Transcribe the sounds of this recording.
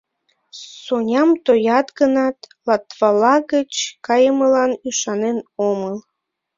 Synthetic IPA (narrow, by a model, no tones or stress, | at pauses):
sonʲɑmt̪ojɑt̪ɡənɑt̪lɑt̪βɑlɑɣət͡ɕkɑjəməlɑnyʃɑnenoməl